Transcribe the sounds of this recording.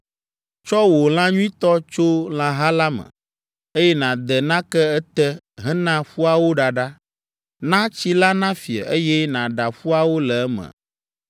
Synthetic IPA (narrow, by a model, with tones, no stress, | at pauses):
t͡ʃɔ˦wo˨l̃ã˦ɲũ˦ĩ˦t̪ɔ˦t͡ʃo˦l̃ã˦ɦa˦la˦mə̰̃˨ | e˦jɛ˦nã˨d̪ɛ˨nã˦kɛ˦ɛ˦t̪ɛ˦ | ɦɛ̃˦nã˦ɸu˦a˨wo˦ɖa˨ɖa˦ | nã˦t͡ɕi˦la˦nã˦fi˨ə̰˨e˦jɛ˦nã˨ɖa˨ɸu˦a˨wo˦lɛ˨ɛ˦mə̰̃˨